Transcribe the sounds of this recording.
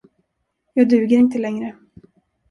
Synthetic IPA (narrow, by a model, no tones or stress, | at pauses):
jɑːd̪ʉ̟ːɡəɾɪnt̪əlɛŋɾə